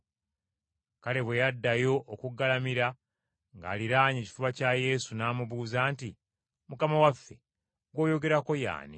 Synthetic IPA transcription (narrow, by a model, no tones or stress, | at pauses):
kale̞βwejadːajo̞ʔːkuɡːalamiɾa | ŋɡa̰ːliɾaːɲeːci̥fuβacaje̞ːsunaːmuβuːzaːnti | mukamawafːe̞ | ɡwo̞ːjo̞ɡe̞ɾako̞ja̰ːnḭ